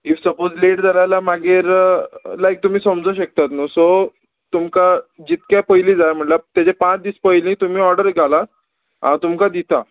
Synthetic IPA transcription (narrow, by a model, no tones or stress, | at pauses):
ifsəpod͡zleʈd͡zalajlamaɡeɾlajk̚t̪um̤iːsəmd͡zoɕək̚t̪at̪nuso | t̪umkad͡ʑit̪kapəjlĩd͡zajm̤əɳʈlat̪jat͡ɕepãt͡sd̪iːspəjlĩt̪um̤iːɔɾɖəɾɡʱala | ã̰t̪umkad̪it̪ʰa